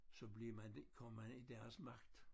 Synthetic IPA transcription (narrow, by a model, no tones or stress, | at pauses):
sɒ̽bliɐmændkʰɒmɐmænid̥æɐsmɑ̈ɡ̥̚d̥